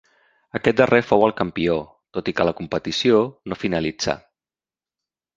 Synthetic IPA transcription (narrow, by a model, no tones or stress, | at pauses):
əkɛt̪̚d̪ərefowəlˠkəmpio | t̪ot̪ikələkumpət̪isionofinəlid͡za̰